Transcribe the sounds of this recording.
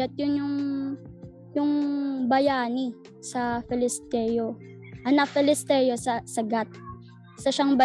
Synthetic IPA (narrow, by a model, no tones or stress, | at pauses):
ɐt̪̚jʊnjʊŋ | jʊŋbɐjaːni | sɐfɪlɪst̪ɛjo | ʔɐnɐfɪlɪst̪ɛːjosɐsɐɡat̪̚ | sɐʃaŋbɐ